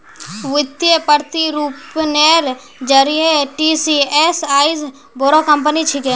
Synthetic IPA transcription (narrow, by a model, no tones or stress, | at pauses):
ʋɪt̪jepəɾt̪iɾuːpneɾ | d͡ʒəɾijeʈiːsieːsaːiz | boɾokɐmpənit͡ʃʰɪke